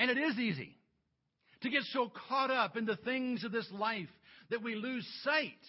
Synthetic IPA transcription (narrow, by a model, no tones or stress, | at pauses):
ɨ̃ñɨɾɪzizḭ | ɾɨɡɛtsoʊkʰɑɾʌpɨ̃nðɨθɪ̃ŋzʌvðɪslaɪfðɨt̚wilʉz̥saɪt̚